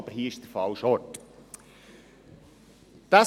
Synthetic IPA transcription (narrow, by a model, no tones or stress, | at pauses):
b̥əɾhiːəɪʃd̥̪əfɑlʃɔt | d̪̥ɑ